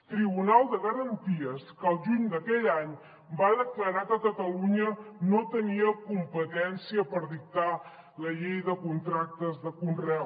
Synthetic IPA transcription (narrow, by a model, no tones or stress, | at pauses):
t̪ɾiβunalˠd̪əɣəɾənt̪iəskəlˠʒuɲd̪əkɛʎaɲ | baðəkləɾakəkət̪əluɲənot̪əniəkumpət̪ɛnsiəpəɾðik̚t̪a | ləʎejðəkunt̪ɾak̚t̪əzðəkunrɛw